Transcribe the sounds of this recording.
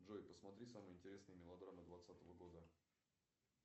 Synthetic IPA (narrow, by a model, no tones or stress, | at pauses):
dʐojʲpəsmɐt̪ɾʲisamɨjɪnʲtʲɪɾʲe̞snɨjəmʲɪlˠɐd̪ɾamɨd̪vat̪sat̪əvəɡo̞d̪ə